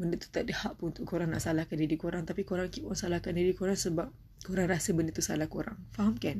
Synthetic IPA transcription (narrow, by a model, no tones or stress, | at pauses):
bəndət̪u̥t̪aʔdəhaʔpuunt̪ʊʔkʰoɾaŋna̰ʔsalahkandidikoɾaŋt̪apikoɾaŋkipunsalahkandidikoɾaŋsəbap̚ | koɾaŋɾasəbəndət̪usa̰lahkoɾa̰ŋfaɦamkan